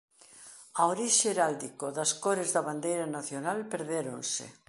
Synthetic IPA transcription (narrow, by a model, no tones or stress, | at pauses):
aoɾiʃeeɾald̪ikoðɐskoɾezðɐβand̪ejɾɐnaθjonalpeɾðeɾo̰nsḛ